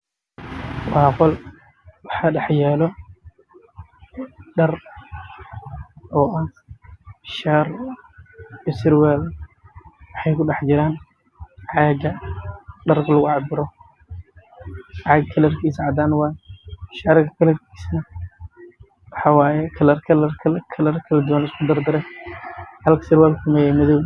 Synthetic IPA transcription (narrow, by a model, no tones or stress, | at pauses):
wɑːqɔl | wɑħɑːɖɑħjɛːlɔ | ɖɐr | ʔɔːʔa | ʃaːr | bɪsɪɾwɛːl | wɑħɑjkʰʊɖɑħt͡ʃɪɾaːn | ʕɑːɡɐɖɐrkʰɐlɐɣʊʕɑbɪɾɔ | ʕɑɡkʰɐlɐrkʰiːsʕɑd̪aːnwaːjʃaːɾɡɐkʰɐlɐrkʰi̥ːsnɐ | wɑħɑwaːjɛkʰɐlɐrkʰɐlɐrkʰɐkʰɐlɐrkʰɐlɐd̪ʊwanɪskʰʊd̪ɐrd̪ɐɾɛ | hɐlkʰɐsɪrwɛːlkʰʊmɛjɛmɐðɔw